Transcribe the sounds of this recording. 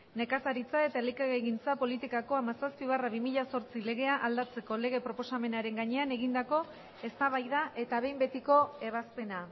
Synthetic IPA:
ne̞kasaɾit͡sae̞t̪aelikeɣeɣint͡sapo̞lit̪ikako̞amasaspiβaraβimiʎaso̞ɾt͡sile̞ɣ̞e̞aʔald̪at͡se̞ko̞le̞ɣ̞e̞pɾo̞po̞same̞naɾe̞ŋɡaɲe̞ane̞ɣind̪ako̞ | e̞st̪aβ̞ajðaʔe̞t̪aβ̞e̞jmbe̞t̪iko̞e̞βaspe̞na

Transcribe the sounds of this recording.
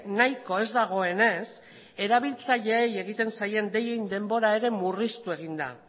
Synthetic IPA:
najko̞e̞zd̪aɣ̞o̞e̞ne̞s | e̞ɾaβ̞ilt͡saʎe̞ːje̞ɣ̞it̪e̞nsaje̞nd̪e̞je̞jnd̪e̞mbo̞ɾae̞ɾe̞murist̪ue̞ɣ̞ind̪a̰

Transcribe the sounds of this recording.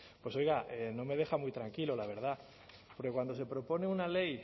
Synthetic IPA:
pwe̞so̞jɣaʔeno̞me̞ð̞e̞xamujt̪ɾaŋkilo̞laβ̞e̞ɾð̞a | po̞ɾke̞kwand̪o̞se̞pɾo̞po̞ne̞unale̞j

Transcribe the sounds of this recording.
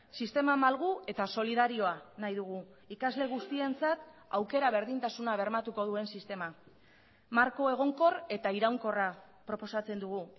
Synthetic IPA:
sist̪e̞mamalɣue̞t̪aso̞liðaɾio̞anajðuɣ̞u | ikazle̞ɣ̞ust̪ie̞nt͡sat̪awke̞ɾaβ̞e̞ɾðint̪asunaβ̞e̞ɾmat̪uko̞ð̞ue̞nsist̪e̞ma | maɾko̞e̞ɣ̞o̞ŋko̞re̞t̪aiɾawŋko̞ra | pɾo̞po̞sat͡se̞nd̪uɣ̞u

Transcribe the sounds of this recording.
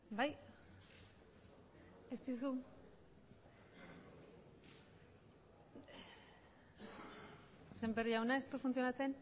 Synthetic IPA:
baj | est̪is̬u | sembe̞riawnaest̪ufunt͡sio̞nat͡se̞n

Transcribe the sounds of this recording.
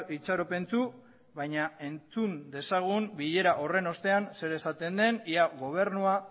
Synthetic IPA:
it͡saɾope̞nt͡su | βajɲae̞nt͡sund̪e̞saɣ̞umbiʎe̞ɾaʔo̞re̞no̞st̪e̞anse̞ɾe̞sat̪e̞nd̪e̞niaɣo̞β̞e̞ɾnua

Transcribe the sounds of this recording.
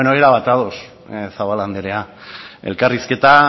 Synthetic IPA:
enoeɾaβat̪aðos | saβaland̪eɾe̞ae̞̰lkariske̞t̪a

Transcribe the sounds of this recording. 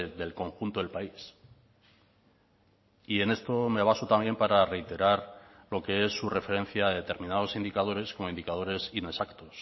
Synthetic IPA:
d̪e̞lko̞ŋxunt̪oðelpais | ie̞ne̞st̪o̞meaβ̞asot̪ambje̞mpaɾare̞jt̪e̞ɾaɾlo̞kee̞sːure̞fe̞ɾe̞n̟θjaːðe̞t̪e̞ɾmĩnað̞o̞sind̪ikað̞o̞ɾe̞sko̞mo̞ind̪ikað̞o̞ɾe̞sine̞sakt̪o̞s

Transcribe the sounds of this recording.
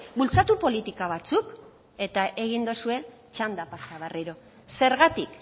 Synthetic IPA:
bult͡sat̪upo̞lit̪ikaβ̞at͡suk | e̞t̪aʔe̞ɣ̞ind̪osue̞ | t͡ʃand̪apasaβeriɾo̞ | se̞ɾɣat̪ik

